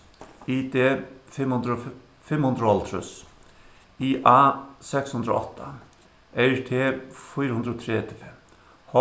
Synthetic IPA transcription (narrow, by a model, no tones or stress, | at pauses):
iːd̪eːd̪ | fɪmhʉnd̪ɾəɔlt̪ʰɾʉ̰s | iːʔaːsɛkshʉnd̪ɾo̰ɔ̰t̪ʰːa | ʔeɪɹt̪ʰeːfyːɾəhʉnd̪ɾoːt̪ʰɾeːt̪ʰɪ̥fɛ | hɔ